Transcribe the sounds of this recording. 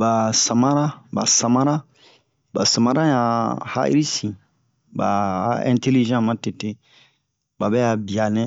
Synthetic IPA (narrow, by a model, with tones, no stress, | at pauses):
ba˨sa˨mã˦ɾa˦ba̰˨sã˨mã˦ɾa˦ | ba˨sa˨mã˦ɾã˦ja˨ha̰˦j̰ɾi˦sĩ˨ | ba˨ɛ̰̃˦˨te˦li˦ʒã˦˨mã˦te˨te˦ | ba˨bɛ˦a˨bi˨a˨nɛ̃˦